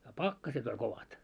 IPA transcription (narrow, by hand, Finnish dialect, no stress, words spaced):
jɑ pɑkːɑset olʲ koʋɑt